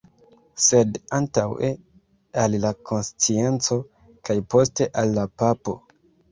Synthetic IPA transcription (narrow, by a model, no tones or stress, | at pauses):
se̞dantawe | alːako̞nst͡sie̞nt͡so̞ | kajpo̞ste̞ʔalːapapo̞